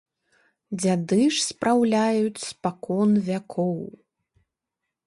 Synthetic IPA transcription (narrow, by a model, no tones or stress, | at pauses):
d͡zʲad̪ɨʂspɾawlʲajut͡sʲspakɔnvʲakʰɔw